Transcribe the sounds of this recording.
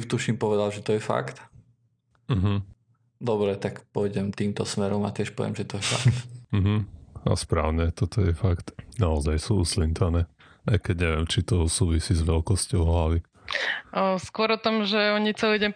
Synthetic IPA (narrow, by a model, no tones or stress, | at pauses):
t̪uʃimpɔʋɛd̪alʒɛt̪ɔjɛfa̰kt̪ | m̩ɦm̩ | d̪ɔbɾɛt̪akpɔjɟɛmt̪iːmt̪ɔsmɛɾɔma̰t̪ɪɛʃpɔ̰ʋɪɛ̰mʒɛt̪ɔjɛfa̰kt̪m̩ɦm̩a̰spɾa̰ːʊɲɛt̪ɔt̪ɔjɛfakt̪naɔzajsuːuslint̪anɛː | ʔajkɛɟɲɛʋɪɛmt͡ʃit̪ɔsuːʋisiːzʋɛlkɔscɔʊɦlaʋi | skwɔɾɔt̪ɔmʒɛɔɲit͡saiɟɛm